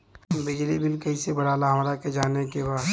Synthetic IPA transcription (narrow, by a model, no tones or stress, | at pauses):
bɪd͡ʒlibɪlkɐisebəɽ̤aːlaɦɐmɾaked͡ʒaːnekebaːd̪